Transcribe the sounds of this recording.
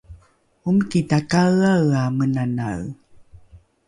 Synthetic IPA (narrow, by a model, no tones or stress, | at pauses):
umkitakaɭawamənana̰ɰ